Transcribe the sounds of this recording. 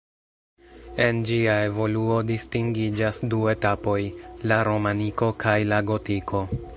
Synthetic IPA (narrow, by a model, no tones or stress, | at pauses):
e̞nd͡ʒiae̞vo̞luo̞distiŋɡid͡ʒasdue̞tapo̞jlaɾo̞maniko̞kʰajlaɡo̞tikʰo̞